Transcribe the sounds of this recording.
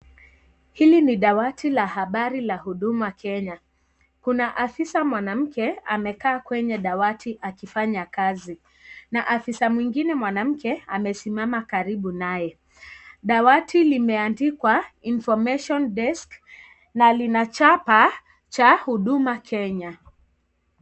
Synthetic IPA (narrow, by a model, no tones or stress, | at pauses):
hiliniɗawatʰilahaɓaɾilahuɗumakʰɛɲa | kunaʔafisamwanam̩kɛamɛkaːkwɛɲɛɗawatʰiʔakifaɲakazi | naʔafisamwiŋɡinɛmwanam̩kɛamɛsimamakaɾiɓunajɛ | ɗawatʰilimɛandikwainfɔmɛʃɔnɗɛsk | nalinat͡ʃapa | t͡ʃahuɗumakʰɛɲa